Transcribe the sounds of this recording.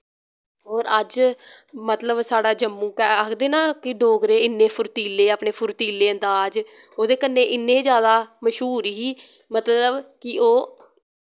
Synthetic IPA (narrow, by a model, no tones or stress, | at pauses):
oːɾəd͡ʒ | mət̪ləbsaːɽaːd͡ʒəmːũːkɛːəkʰd̪eːnaːkɪɖoːɡɾeːɪnːẽːpʰʊɾt̪iːlːeːaːpɳeːpʰʊɾt̪iːlːeːənd̪aːd͡ʒ | oːd̪eːkənːẽːʔɪnːẽːd͡ʒjaːd̪aːməʃɦuːɾɦiː | mət̪ləbkɪoː